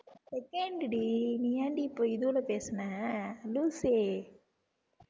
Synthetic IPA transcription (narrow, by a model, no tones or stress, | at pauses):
sekeɳɖiɖinijaɳɖipːojid̪ulɐpeːsɐnaluːse